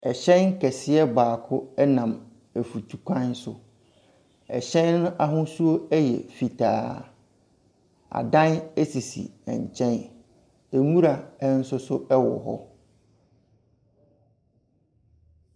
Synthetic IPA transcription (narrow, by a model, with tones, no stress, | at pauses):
ɛ˨ɕɛ̃˦nŋ̩˦kʰɛ˨sɪ˦ɛ˦baː˨kʰʊ˦ɛ˦nã˨m | æ˨fu˨tʰu˨kʷʰã˦n˦sʊ̰˨ | ɛ̰˨ɕɛ̃˦nː˦ʊ̃˦ʔa˦ɦʊ̃˦su˦o˦ɛ˦jɛ̰˨fi˨tʰaː˨ | a̰˨dã˦nɛ˦si˨sḭ˨ɛ̰̃˨ɲ˨t͡ɕʰɛ̃˦n | e˨ŋũ˦ɾa˨ɛ˦n̩˦sʊ˦sʊ˦ɛ˦wɔ̰˨ɦɔ̰˦